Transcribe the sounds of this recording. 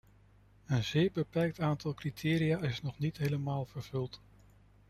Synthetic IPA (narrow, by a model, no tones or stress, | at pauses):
ənzɪːɹbəpɛɹk̚taːntɑlˠkritʰɪːɾijaːɪsnɔχnitɦejləmaːlˠv̥əɹv̥ɵlˠt